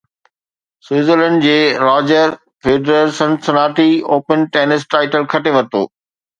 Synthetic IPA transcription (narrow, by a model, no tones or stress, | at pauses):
sweːzələ̃ɳɖd͡ʑeːɾaːd͡ʑəɾ | feːɖɾəɾsɐ̃nsɐnaːʈioːpənʈeːnɪsʈaːɪʈəlkʰɐʈeʋɐt̪o̰ː